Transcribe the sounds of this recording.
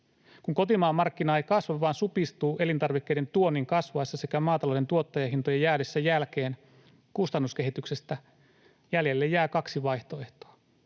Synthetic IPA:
kuŋko̞t̪imɑːmːɑrkːinɑejkɑsʋɑʋɑːnsupist̪uːʔe̞lint̪ɑrʋikːe̞jde̞nt̪uo̞nːiŋkɑsʋɑesːɑse̞kæmɑːt̪ɑlode̞nt̪uo̞t̪ːɑjɑɦint̪ojɑjæːɾesːæjælk̟e̞ːn | kust̪ɑnːuske̞ɦit̪ykse̞st̪æ | jælje̞lːejːæːkɑksiʋɑjht̪o̞eht̪oɑ

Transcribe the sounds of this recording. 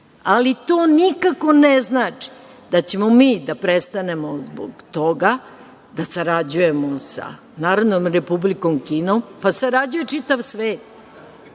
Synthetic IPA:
alit̪oːnikako̞neznaːt͡ʂi̥ | d̪at͡ɕe̞momiːd̪apɾest̪ane̞mozbo̰ɡt̪oɡa | d̪asaɾad͡ʑuje̞mosa̰ | naːɾaʋnomɾe̞publiko̞mkiːnompasaɾad͡ʑuje̞t͡ʂit̪aʋsʋeːt̪

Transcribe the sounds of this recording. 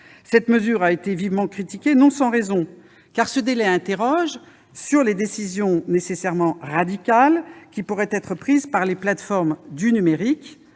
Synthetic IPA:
sɛt̪məzyʁaet̪evivmɑ̃kχit̪ikʲenɔ̃sɑ̃ʁezɔ̃ | kaʁsəd̪elɛɛ̃t̪eʁɔʒ | syʁled̪esizjɔ̃nesesɛʁmɑ̃ʁad̪ikʲalkʲipuʁɛt̪ɛt̪χəpχizpaʁleplat̪fɔʁmd̪ynymeʁik

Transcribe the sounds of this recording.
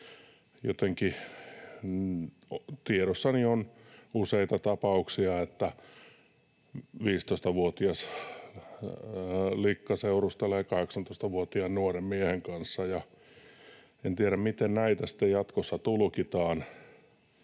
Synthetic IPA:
jot̪eŋki | t̪ieɾosːɑnionuseit̪ɑt̪ɑpɑuksiɑet̪ːæ | ʋiːst̪oist̪ɑʋuot̪iɑs | likːɑseurust̪eleːkɑheksɑnt̪oist̪ɑʋuot̪iɑnnuoremmieheŋkɑnsːɑjɑ | ent̪iæɾæmmit̪ennæit̪æsi̥t̪ːejjɑt̪kosːɑt̪ulkit̪ɑːn

